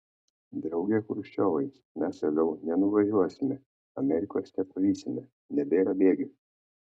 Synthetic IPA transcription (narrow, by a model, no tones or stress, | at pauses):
d̪ɾɐʊɡʲɛkʊɾʃʲt͡ʃʲoːʋɐɪ | mʲæsɐlʲɛʊnʲɛnʊʋɐʒʲuɔsʲɪmʲɛ | ɐmʲɛɾʲɪkoːst̪ʲɛpɐʋʲiːsʲɪmʲɛ | nʲɛbʲeːɾɐbʲeːɡʲɛ